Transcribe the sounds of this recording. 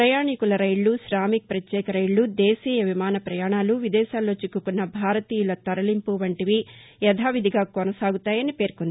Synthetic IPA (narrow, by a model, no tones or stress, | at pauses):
ɾɐjaːɳikulɐɾɐjɭːusɾaːmik̚pɾɐt̪jɛːkɐɾɐjɭːud̪eːsiːjɐʋimaːnɐpɾɐjaːɳaːluʋid̪ɛːʃaːlːo̞ːt͡ʃikːukunːɐbʱaːɾɐt̪iːjulɐt̪ɐɾɐlimpuʋɐɳʈiʋi | jɛd̪ʱaːʋid̪ʱiɡaːkonɐsaːɡut̪aːjɐnipeːɾkond̪i